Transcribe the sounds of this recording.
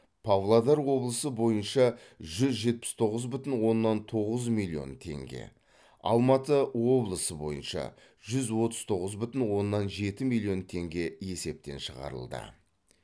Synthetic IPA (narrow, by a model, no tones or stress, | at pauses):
pʰɑvlˠad̪ɑɾwo̞blˠəsəbo̞jənʃɑʒʏzʒe̞t̪̚pɪ̥st̪ʰo̞ʁəzbʏt̪ɪnwo̞nːɑnt̪ʰo̞ʁəzmilʲˠːijo̞̰nt̪ʰe̞̰ŋɡʲḛ | ɑ̰lˠmɑt̪əwo̞blˠəsəbo̞̰jə̰nʃɑ̰ | ʒ̥ʏzwo̞t̪əzt̪ʰo̞ʁəzbʏt̪ɪnwo̞nːɑnʒe̞t̪ɪmilʲːijo̞nt̪ʰe̞ŋɡʲe̞je̞se̞p̚t̪e̞̰nʃəʁɑ̰ɾə̰lˠd̪ə̰